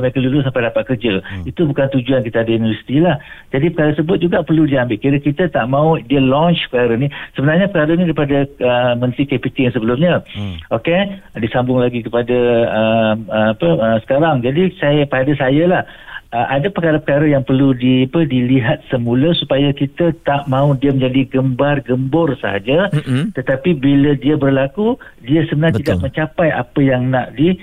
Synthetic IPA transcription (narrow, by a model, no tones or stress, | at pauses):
məɾekəlulʊsampajdapat̪̚kərd͡ʒait̪ubukant̪ud͡ʒuankit̪aːdaunivərsi̥t̪ilahd͡ʒadipəkaɾəsəbʊt̪̚d͡ʒuɡaʔpərludiambɪʔ̪kiɾəkit̪at̪aʔmãudiəlɔnt͡ʃpəkaɾənisəbənarɲəpəkaɾanidaɾipadaəmə̃nt̪ɾikepik̪iŋsəbəlʊmɲə̃okedisambʊŋlaɡikəpadaəməmapəəsə̥kaɾaŋd͡ʒadisajapadasajəlah | əʔadapəkaɾəpəkaɾəjaŋpərludiapədiliɦat̪̚səmũləsupajakit̪ət̪aʔmãudiəməɲd͡ʒadiɡəmbarɡəmbʊrsəɦa̰d͡ʒət̪ət̪apibilədiəbərlakudiəsəənãt̪idaʔmə̃ɲt͡ʃapaja̰pəjaŋnaʔdi